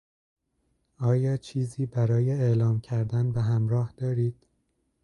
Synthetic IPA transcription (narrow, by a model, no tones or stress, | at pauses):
ʔɒːjɒːt͡ʃʰiːziːbæɾɒːje̞elɒːmcʰæɾd̪ænbeɦæmɾɒːhd̪̥ɒːɾiːd̪̥